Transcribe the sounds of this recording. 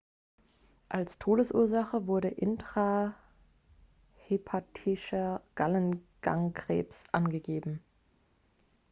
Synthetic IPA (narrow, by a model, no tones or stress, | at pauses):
ʔalstʰoːɾəsʔuːɐzaχəvʊɐɾəʔɪntʁ̥a | hepʰatʰɪʃɐɡ̥alənɡ̥a̰ŋɡʁ̥ḛːpsʔanɡəɡeːbm̩